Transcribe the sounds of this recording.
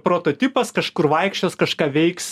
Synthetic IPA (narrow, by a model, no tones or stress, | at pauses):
pɾoːt̪oːt̪ʲɪpɐskɐʃkʊrʋɐɪkʃʲt͡ʃʲoːskɐʃkɑːʋʲɛɪks